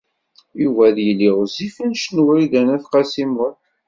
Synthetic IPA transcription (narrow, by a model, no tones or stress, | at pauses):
juvæðjəlːiʁzifænʃnwæiðænæθqɑsimʊθ